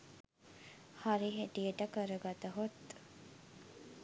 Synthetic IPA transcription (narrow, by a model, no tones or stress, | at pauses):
haɾiɦeʈijəʈəkəɾəɡat̪əɦot̪